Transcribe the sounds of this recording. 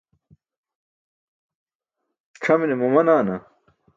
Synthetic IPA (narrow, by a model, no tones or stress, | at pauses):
ʈ͡ʂʰɐminemɐmɐnaːnɐ